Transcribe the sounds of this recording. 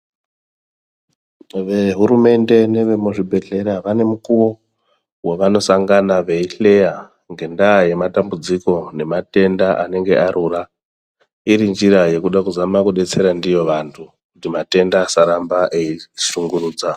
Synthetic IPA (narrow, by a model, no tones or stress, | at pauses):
ʋe̞ɦuɾume̞nde̞ne̞ʋemuʐibʱe̞ɮe̞ɾaʋane̞mukuʋo̞ | weʋano̞saŋɡanaʋe̞iɬe̞ja | ŋɡe̞ndaːje̞matambud͡ziko̞ne̞mate̞ndaʔane̞ŋɡe̞ʔaɾʔura | iɾind͡ʒiɾaje̞kuɗakuzamakuɗe̞t͡se̞ɾandijo̞ʋantʰu | kutimate̞ndaːsaɾambaʔeiʃuŋɡuruːd͡za